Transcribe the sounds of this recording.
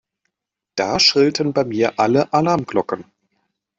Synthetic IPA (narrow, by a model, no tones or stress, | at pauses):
d̥aːʃʁ̥ɪltʰənbaɪmiːɐʔaləʔalaɐmɡ̥lɔkən